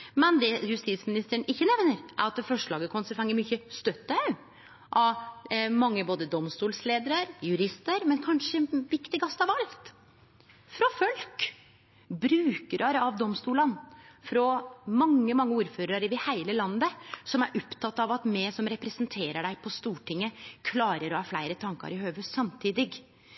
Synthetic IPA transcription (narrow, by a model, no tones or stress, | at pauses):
mɛnd̪ɛjʉst̪it̪smɪnɪst̪əəɳɪçːənɛʋnəɾʔæ̰ɾɑt̪̚fɔʂɭɑːɡəkʰɔnsəfɛŋːəɾmʏçːəst̪œt̪ːə | ʔɑʋmɑŋːəboːd̪əd̪ɔmst̪uːlsleːd̪əɾəɾjʉɾɪst̪əɾmɛnkʰɑnʂəɛnʋɪkt̪ɪɡɑst̪ɑʋɑlt̪ | fɾɔfœlk | bɾʉːkəɾʔɑɾəɑʋd̪ɔmst̪uːlɑnfɾɔmɑŋːəmɑŋːəuːɾføːɾɑɾəʋɪhæɪləlɑnːəsɔmæɾʔɔpt̪ʰɑt̪ːɑʋɑt̪mɛsɔmɾɛpɾɛsənt̪ʰeːɾəɖæɪpʰɔst̪uːʈɪŋːəkʰlɑːɾəɾɔhɑːflæɪɾət̪ʰɑŋkɑ̰ɾɪhøːʋʉsɑmt̪ʰiːd̪ɪɡ